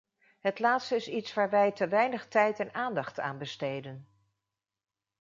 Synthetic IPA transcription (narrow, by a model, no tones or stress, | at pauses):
ɦətlaːtstəɪsitsʋaːɹʋɛjtəʋɛjnəχtɛjtɛnaːndɑχta̰ːnbəstejdən